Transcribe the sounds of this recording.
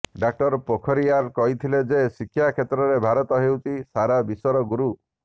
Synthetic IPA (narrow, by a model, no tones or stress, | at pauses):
ɖak̚ʈɔɾpokʰɔɾiaɾkɔɦit̪ʰiled͡ʒesikʰːjakʰet̪ɾɔɾebʱaɾɔt̪ɔɦewt͡ʃʰisaɾabisɔɾɔɡuɾu